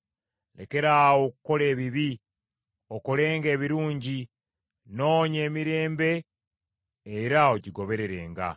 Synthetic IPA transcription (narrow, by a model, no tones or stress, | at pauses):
le̞̰ke̞ɾaːwo̞kuko̞le̞ːβiβi | o̞ko̞le̞ːŋɡe̞ːβiɾuːɲɟi | no̞ːɲe̞ːmiɾe̞ːmbe̞ | ɾaociɡo̞βe̞ɾe̞ɾe̞̰ːŋɡa̰